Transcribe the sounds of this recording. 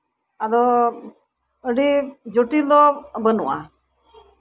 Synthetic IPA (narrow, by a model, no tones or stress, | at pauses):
ad̪ɔ | əɖid͡ʒoʈilɔbənṵʔa̰